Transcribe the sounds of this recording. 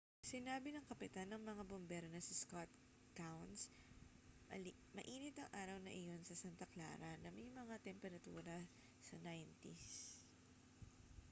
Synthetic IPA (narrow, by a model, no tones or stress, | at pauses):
sɪnaːbɪnɐŋkɐpɪt̪anːɐŋmɐŋabombɛːɾonɐsɪskat̪̚ | kawns | ɐ | mɐʔiːnɪt̪ɐŋʔaːɾɐwnɐ̰ʔɪjo̞nsɐsant̪ɐkla̰ːɾɐnɐmɐjmɐŋat̪ɛmpɛɾɐt̪ṵːɾɐ | sɐnajnt̪is